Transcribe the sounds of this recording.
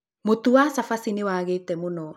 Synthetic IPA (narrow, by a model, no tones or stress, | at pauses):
motuwasafasinewaɣetɛmonɔ